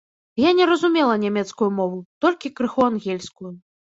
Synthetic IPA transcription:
janʲɛɾɐzumʲɛlˠɐnʲamʲɛt̪skujumɔvut̪ɔlʲkʲikɾɨxɔanɣʲɛlʲskuju

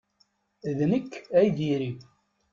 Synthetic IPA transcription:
ðnəkːæjd̪iɾi

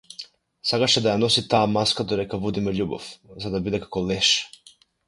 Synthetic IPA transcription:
saɡat͡ʃed̪ajanosit̪aːmaskad̪oɾɛkavud̪imoʎubo̰fzad̪abud̪ɛkḁkoleʃḁ

